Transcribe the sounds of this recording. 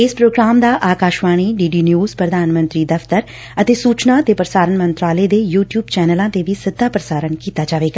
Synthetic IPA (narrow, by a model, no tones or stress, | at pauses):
ɪspɾoːɡɾaːmd̪aːʔaːkaːʃʋaːɽ̃iːɖiːɖiːnjuːz̥pɾəd̪ʱaːnmə̃nt̪ɾiːd̪əft̪əɾ | ət̪eːsuːt͡ʃnat̪eːpɾəsaːɾənmə̃nt̪ɾaːled̪eːjuːʈjuːbt͡ʃɛːnəlãːt̪eʋisɪd̪ʱːaːpɾəsaːɾənkiːt̪aːd͡ʒaːʋeːɡaː